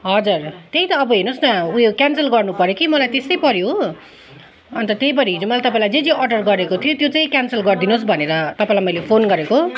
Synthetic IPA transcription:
ɦʌd͡zurt̪eɦĩt̪ʌːbʌɦinosnʌujokjansʌlɡʌrnupʌɾjokimʌlajt̪est̪ʌjpʌɾjo | ʌnt̪ʌt̪ejipʌɾiɦid͡zumʌlajt̪ʌpaĩlajd͡zed͡zeʔʌrɖʌrɡʌɾekot̪ʰijot̪jot͡saj̃kjansʌlɡʌrd̪inosbʱʌneɾʌt̪ʌpãĩlajmʌjlepʰonɡʌɾeko

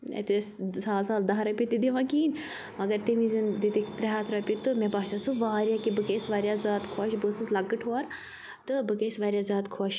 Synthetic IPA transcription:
ḛt̪essaːlsaːld̪ɐɦɾɐpʲit̪id̪iʋãːkiːnʲ | mɐɡɐɾt̪emizɨnd̪it̪ikt̪ɾɐɦaːt̪ɾɐpʲit̪ɨmẽbaːsasuʋaːɾjakibɨkeːsʋaːɾjaːzaːt̪kʰoːʃbɨsɨslɐɡɨʈʰoːɾ | t̪ɨbɨɡeːsʋaːɾʲjaːzʲaːt̪kʰoːʃ

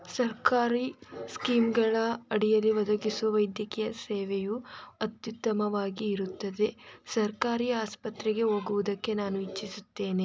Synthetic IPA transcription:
sɐɾkaːɾiskiːmɡɐɭɐɐɽijɐlːiʋɐd̪ɐkisuʋɐʋɐjd̪jɐkijɐseːʋɛjuɐt̪jut̪ːɐmɐʋaːɡiːɾut̪ːɐd̪e̞sɐɾkaːɾiːaːspɐt̪ɾɛɡe̞ɦoːɡuʋud̪ɐkːe̞naːnuit͡ʃːisut̪ːe̞ːne

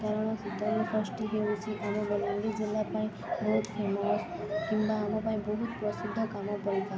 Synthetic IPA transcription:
k̪aɾəɳ̃ɔsit̪ːəɾnifəsʈiɦeʋũt͡ʃʰeʔamõbəlɔɳɖid͡ʒilːapaĩ | bɔɦut̪fʰemɔs | kimbaːmõpãĩbəɦut̪pɾəsud̪ʱːəkamopəɽik̪a

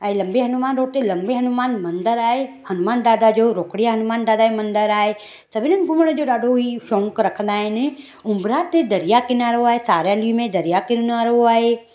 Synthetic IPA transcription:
ə̃lɐmbeːɦɐnumaːnɾoːt̪elɐ̃mbeːɦɐnʊmaːnmɐ̃nd̪əɾaːeːhɐnʊmaːnd̪aːd̪aːd͡ʒoːɾoːkɽɪjaːɦənʊmaːnd̪aːd̪aːemə̃nd̪əɾaːɦeː | səbɪnə̃nɡʱʊməɽ̃d͡ʒoːɗaːɖʱoiːʃɔ̃ːŋkɾɐkʰə̃nd̪aːɦɪnɪ | ʊmbɾaːt̪ed̪əɾɪjaːkɪnaːɾoaːɦeːsaːɾjaliːmẽd̪əɾɪjaːkɪnnaːɾoaːɦeː

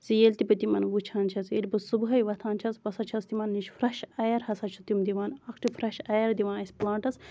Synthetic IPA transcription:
zijelʲt̪ibɐt̪imɐnʋut͡ʃʰaːnt͡ʃʰɐzeːlʲbɐsubɦɐjʋɐt̪ʰaːnt͡ʃʰɐsʋɐsɐt͡ʃʰɐst̪imɐnːiʃfɾɐʃɐjɐɾhɐsɐt͡ʃʰut̪imd̪iʋaːnɐkʰʈifɾɐʃɐjɐɾd̪iʋãːnɐsʲplaːɳʈɐs

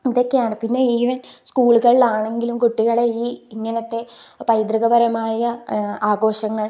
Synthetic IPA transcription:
iðo̞kːejaːɳɨpinːe̞iːʋɐnskuːɭuɣɐɭilaːɳe̞ŋɡilumkuʈːiɣɐɭe̞iːiŋːɐnɐt̪ːe̞pɐjd̪ɾɐɣɐbɐɾɐmaːjɐaːɡo̞ːɕɐŋːɐɭ

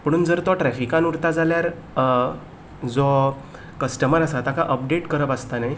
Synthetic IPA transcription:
pəɽ̃uːnd͡zəɾt̪ɔʈɾɛfikanuɾt̪ad͡zaljaɾ | d͡zɔ | kəsʈəməɾasat̪akaʔəp̚ɖeʈkəɾəpast̪anaj

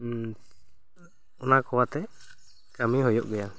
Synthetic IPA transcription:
ɔnakɔwat̪ɛ | kamiɦɔjɔʔɡɛja

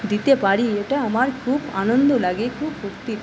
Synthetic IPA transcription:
d̪it̪epaɾieʈaamaɾkʰuba̰nond̪olaɡekʰubsukt̪i

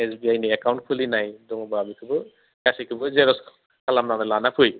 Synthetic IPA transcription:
esbiajniakawɳʈ̚pʰulinajd̪ɔŋɔbabikʰɯbɯ | kasikʰɯbɯzeɾɔs | kʰalamnamɛlanapʰuj

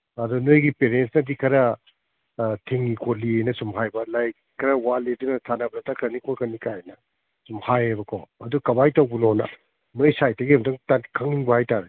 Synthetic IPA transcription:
ɐdunojɡipeɾensnɐdikʰɐɾɐ | tʰeŋːikʰoliejnɐsumɦajbɐlaj | kʰɐɾɐwaledunɐtʰanɐbɐɾatakʰɾɐnikʰokʰɐnikajenɐ | sumhajebɐkʰɔɐdukɐbajtɐwbunonɐ̰ | nojsajtɐɡiumdɐŋtakʰɐŋiŋbɐhajtaɾe

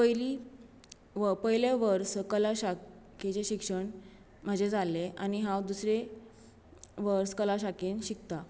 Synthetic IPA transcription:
pəli | ʋəpəjleʋəɾskəlaɕaket͡ɕeɕikʂəɳ | m̤əd͡ʑed͡zaleʔa̰ñiɦãwd̪usɾe | ʋəɾskəlaɕakenɕik̚t̪a

